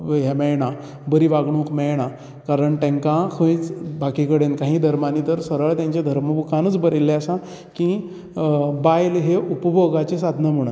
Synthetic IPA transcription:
ɦjɛmɛɭɳa | bəɾiːʋaɡɳ̃ũkmɛɭɽ̃a | kaɾəɳʈ̪ẽŋkãkʰə̃jt͡sbakikəɽenkãɦĩːd̪ʱəɾmaniːt̪əɾsəɾəɭt̪jãɲt͡ɕjad̪ʱəɾməbukanəːt͡sbəɾelːeəsã | kĩ | bajlɦeʔupəboɡat͡ɕesad̪ʱnəm̤əɳ̃ət̪

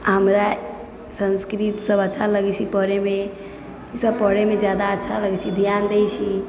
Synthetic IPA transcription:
ɦəmɾa | sə̃nskɾit̪səbətːʃʰaləɡɛt͡ʃʰipəɾeme | səbpəɾemed͡ʒjad̪aətːʃʰaləɡɛt͡ʃʰid̪ʱjand̪ejt͡ʃʰi

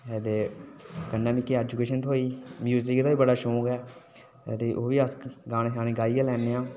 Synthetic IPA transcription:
ɛːd̪eːkənːaːmiːkːeɛːd͡ʒukeːʃənt̪ʰoːiːmjuːzɪkd̪aːʋiːbəɽaːʃoːkɛː | t̪eːʔoːʋiːəsɡaːneːaːneːɡaːiːɡãːlɛːnːeːãː

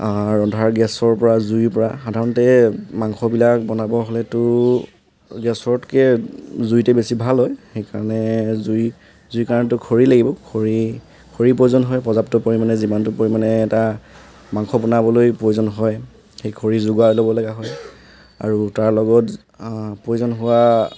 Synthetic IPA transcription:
aɹɔndʱaɹɡɛsɔɹpɔɹazujpɔɹaxadʱaɹɔntɛmaŋxɔbilak̚bɔnabɔɦɔlɛtʊ | ɡɛsɔɹtkɛzujtɛbesibʱalɦɔjxejkaɹɔnɛzuj | zujkaɹɔnɛtʊkʰoɹilaɡibɔkʰoɹi | kʰoɹipɹojuzɔnɦɔjpɔzaptɔpoɹimanɛzimantʊpoɹimanɛːta | maŋxɔbɔnabɔlojpɹojuzɔnɦɔj | xejkʰoɹizʊɡalobɔlaɡaɦɔj | a̰ɹutaɹlɔɡɔt | pɹojzɔnɦʊwa

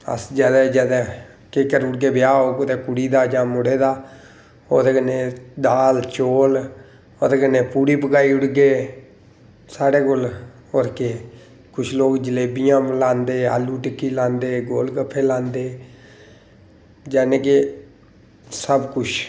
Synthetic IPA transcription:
ə̰sd͡ʒɛːd̪ɛːd͡ʒɛːd̪ɛː | keːkəɾʊɽɡeːbɪjaːɦoːkot̪eːkʊɽiːd̪aːd͡ʒãːmʊɽeːd̪aː | oːt̪eːkəneːd̪aːlt͡ʃoːl | oːt̪eːkəneːpuːɽiːpəkaːiːʊɽɡeː | saːɽeːkol | oɾkeː | kʊt͡ʃʰloːkd͡ʒəleːbijãːlãːnd̪eːa̰ːluːʈɪkːiːlãːnd̪eːɡoːlkəpʰːeːlãːnd̪eː | d͡ʒɛːnẽːke | səbkʊt͡ʃʰ

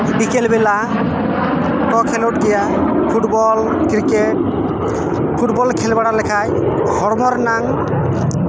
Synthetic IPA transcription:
ɖikelbela | ʈɔkʰeloʈ̚ɡija | pʰuʈbɔl | kɾikeʈ̚ | pʰuʈbɔlkʰelbaɽalɛkʰaj | hɔɾmɔɾnaŋ

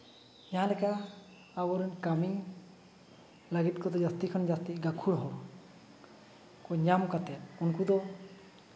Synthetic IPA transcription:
jaɦãlɛkaː | bɔɾɛnkami | laɡit̪kɔd̪ɔd͡ʒast̪ikʰɔnd͡ʒast̪iɡakʰuɽɦɔɾɔ | kɔɲamkat̪ɛt̪kɔnkud̪ɔ

